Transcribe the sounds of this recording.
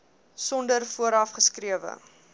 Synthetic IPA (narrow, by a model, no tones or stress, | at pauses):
sɔndərfuəɾɐfχəskɾiəvə̰